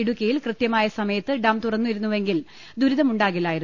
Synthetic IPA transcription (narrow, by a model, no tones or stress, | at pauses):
iɽukʲːɐjilkrɨt̪jɐmaːjɐsɐmɐjɐt̪ːɨɖɐmt̪urɐnːuʋiɾunːuʋe̞ŋɡil | d̪uɾiðɐmuɳɖaːɣilːaːjiɾu